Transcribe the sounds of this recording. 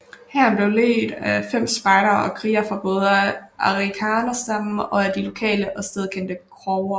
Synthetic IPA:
hæɐ̰nb̥le̝ʊle̝̰ːd̥æfem̰sb̥ɑ̈ɪɾɐɒkʰʁḭːɐfʁɑ̈b̥ɔ̽ːð̞ˠəʔɑ̈ʁikʰɑːnɐsd̥ɑ̈m̰̩ɒ̽æd̥ilo̝kʰɛ̰ːləʔɒ̽sd̥eð̞ˠkʰen̰d̥əkʰʁɒʊɐ

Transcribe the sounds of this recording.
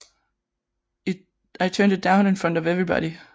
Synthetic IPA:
aɪtʰɜ̃ːndɨdãʊ̃nɨ̃nfɹʌ̃ndʌvevɹibɑ̰ɾi

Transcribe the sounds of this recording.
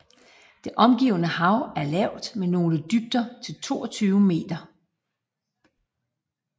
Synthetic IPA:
d̥e̝ʔɒ̽mɡ̥ḭʊnəhɑ̈ʊæɐlɛʊ̰d̥meno̝ːləd̥yb̥̚d̥ɐt͡sʰe̝lt͡sʰo̝̰ːɒt͡sʰyːʊme̝̰ːd̥ɐ

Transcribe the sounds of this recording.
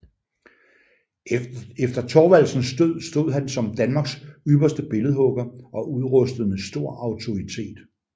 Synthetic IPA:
efd̥ɐt͡sʰɒːʋæl̰sn̩sd̥øð̰ˠsd̥o̝ð̞̰ˠɦænsɒ̽md̥ænmɑ̈ːɡ̥syb̥ɐsd̥əb̥e̝ləð̞̩ˠɦɔ̽ɡ̥ɐʔɒ̽ʔuðˠʁɔsd̥əð̩ˠmeðˠsd̥o̝ɐ̰ɑ̈ʊt͡sʰo̝it͡sʰe̝̰ːd̥

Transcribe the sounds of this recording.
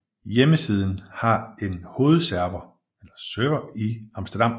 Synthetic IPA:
jeməsið̞ˠn̩hɑ̈e̝nho̝ːð̞̩ˠsæɐʋɐ | elɐsøːʋɐiɑ̈msd̥ɐd̥ɑ̈m̰

